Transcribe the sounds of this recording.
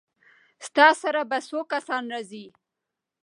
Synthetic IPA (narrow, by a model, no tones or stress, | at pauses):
st̪ɑsaɾabasokasɑnɾɑzi